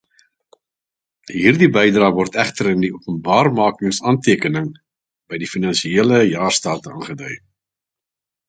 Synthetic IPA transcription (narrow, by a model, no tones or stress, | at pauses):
ɦiːrdibɛjdrɑːvɔrtæχtəɾəndiuəpənbɑːrmɑːkəŋsɑːntiəkənəŋ | bɛjdifinɐnʃieːləjɑːrstɑːtəɑ̰ːnχədœj